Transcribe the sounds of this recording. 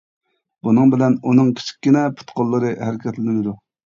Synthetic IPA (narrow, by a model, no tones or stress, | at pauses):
bunɨŋbɪlɛnunɨŋkʲʰi̥t͡ʃʰi̥kʲːinɛpʰu̥t̪qʰɑlˠːɨɾɨhɛɾɪkʲʰɛt̪lɪnɪd̪u